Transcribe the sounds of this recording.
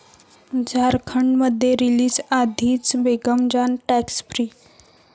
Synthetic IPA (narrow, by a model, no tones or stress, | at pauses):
d͡zʱaɾkʰəɳɖməd̪ʱːjeɾiliːd͡zad̪ʱiːt͡sbeɡəmd͡ʑanʈæksfɾiː